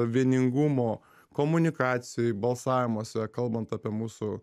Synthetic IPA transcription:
ʋʲiɛnʲɪŋɡʊmoː | koːmʊnʲɪkɑːt̪sʲɪjoːjbɐlˠsɑːʋʲɪmoːsʲɛkɐlˠbɐnt̪ɑːpʲiɛmuːsʊ

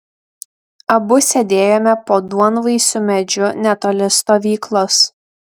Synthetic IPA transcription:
ɐbʊsʲɛd̪ʲeːjoːmʲɛpoːd̪uɔnʋɐɪsʲʊmʲɛd͡ʒʲʊnʲɛt̪ɔlʲɪst̪oːʋʲiːklˠoːs

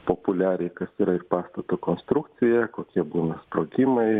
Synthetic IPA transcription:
poːpʊlʲæːɾʲɛɪkɐsiːɾɐɪrpɑːst̪ɐt̪oːkoːnst̪ɾʊkt̪sʲɪjɛkoːkʲiɛbuːnɐspɾoːɡʲɪmɐɪ

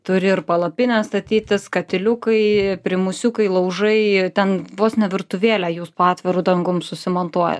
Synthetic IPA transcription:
t̪ʊɾʲɪɪɾpɐlˠɐpʲɪnʲɛːsst̪ɐt̪ʲiːt̪ʲɪskɐt̪ʲɪlʲʊkɐɪpʲɾʲɪmʊsʲʊkɐɪlˠɐʊʒɐɪt̪ʲɛnʋoːsnʲɛʋʲɪrt̪ʊʋʲeːlʲæːjuːspoːɑːt̪ʲʋʲɛɾʊd̪ɐŋɡʊmsʊsʲɪmont̪uɔjɛ̰

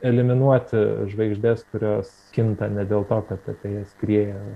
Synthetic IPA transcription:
ɛlʲɪmʲɪnuɔt̪ʲɪʒʋɐɪɡʒʲd̪ʲeːskʊɾʲoːs | kʲɪnt̪ɐnʲɛd̪ʲeːlˠt̪oːkɐt̪ɐt̪ʲeːjɛsʲkrʲiɛjɛ

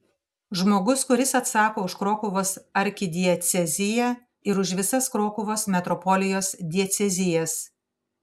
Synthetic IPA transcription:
ʒmoːɡʊskʊɾʲɪsɐt̪sɑːkoːʊʃkɾoːkʊʋoːsɐɾʲkʲɪd̪ʲɪɛt̪sʲɛzʲɪjɛ | ɪɾʊʃʋʲɪsɐskɾoːkʊʋoːsmʲɛt̪ɾɔpɔlʲɪjoːsd̪ʲiɛt̪sʲɛzʲɪjɛs

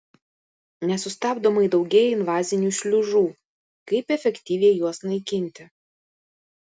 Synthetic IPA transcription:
nʲɛsʊst̪ɑːbd̪omɐɪd̪ɒʊɡʲɛjɪnʋɑːzʲɪnʲuːʃʲlʲʊʒuː | kɐɪpɛfʲɛkʲt̪ʲiːʋʲɛɪjuɔsnɐɪkʲɪnʲt̪ʲɪ

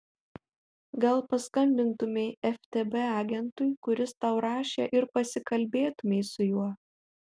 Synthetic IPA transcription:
ɡɐlˠpɐskɐmʲbʲɪnt̪ʊmʲɛɪɛfʲt̪ʲebɛɑːɡʲɛnt̪ʊɪkʊɾʲɪst̪ɐʊɾɑːʃʲḛːʔɪɾpɐsʲɪkɐlʲbʲeːt̪ʊmʲɛɪsʊjuɔ

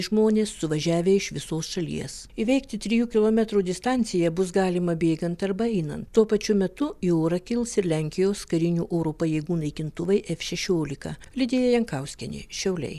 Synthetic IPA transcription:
ʒmoːnʲeːsːʊʋɐʒʲæːʋʲeːɪʃʋʲɪsoːsʃɐlʲḭːɛsiʋʲɛɪk̚t̪ʲɪt̪ʲɾʲɪjuːkʲɪlˠoːmʲɛt̪ɾuːd̪ʲɪst̪ɑnʲt̪sʲɪjɛbʊsɡɑːlʲɪmɐbʲeːɡɐnt̪ɐɾbɛɪnɐ̰nt̪tːuɔpɐt͡ʃʲʊmʲɛt̪ʊioːɾɐkʲɪlˠsɪɾlʲɛŋʲkʲɪjoːskɐɾʲɪnʲuːʔoːɾoːpɐjɛɪɡuːnɐɪkʲɪnt̪ʊʋɐɪʔɛfʃʲɛʃʲoːlʲɪkɐlʲɪd̪ʲeːjɛjɛŋkɐʊsʲkʲɪnʲɪ̰ʃʲɛʊlʲɛ̰ɪ

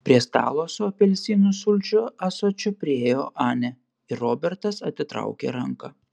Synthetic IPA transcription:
pʲɾʲiɛst̪ɑ̰ːlˠoːsʲoɐpʲɛlʲsʲiːnʊsʊlʲt͡ʃʲʊɐsoːt͡ʃʲʊpʲɾʲɪeːjoːʔɑːnʲɛ | ɪɾoːbʲɛɾt̪ɐsɐt̪ʲɪt̪ɾɐ̰ʊkʲḛːɾɐŋkɐ

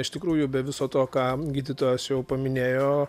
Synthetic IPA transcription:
ɪʃt̪ʲɪkɾuːjʊbʲɛʋʲɪsoːt̪oːkɑːɡʲiːd̪ʲɪt̪oːjɛsjɛʊpɐmʲɪnʲeːjoː

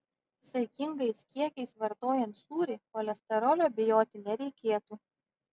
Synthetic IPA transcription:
sɐɪkʲɪŋɡɐɪskʲiɛkʲɛɪsʋɐɾt̪oːjɛnt̪suːɾʲɪpɔlʲɛsʲt̪ʲɛɾɔlʲoːbʲɪjoːt̪ʲɪnʲɛɾʲɛɪkʲeːt̪uː

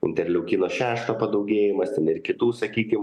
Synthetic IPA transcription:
ɪ̰nʲt̪ʲɛɾʲlʲɛʊkʲiːnoːʃʲæːʃt̪oːpɐd̪ɐʊɡʲeːjɪmɐst̪ʲɛnɪɾkʲɪt̪uːsɐkʲiːkʲɪm

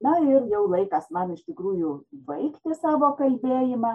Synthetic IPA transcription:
nɐɪrjɛʊlˠɐɪkɐsmɐnɪʃtʲɪkɾuːjʊbɐɪkt̪ʲɪsɑːʋoːkɐlʲbʲeːjɪmɑ

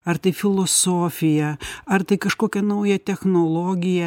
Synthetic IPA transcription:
ɐɾt̪ɐɪfʲɪlˠoːsoːfʲɪjɛɐɾt̪ɐɪkɐʃkoːkʲɛnɐʊjɛt̪ʲɛxnoːlˠoːɡʲɪjɛ

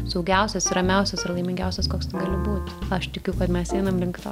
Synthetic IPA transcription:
sʊɡʲɛʊsʲɛsɾɐmʲɛʊsʲɛsɐrlˠɐɪmʲɪŋʲɡʲɛʊsʲɛskoːkst̪ɐɪɡɑːlʲɪbuːt̪ɐʃt̪ʲɪkʲʊkɐt̪mʲɛsɛɪnɐmrʲɪŋkt̪ɐ

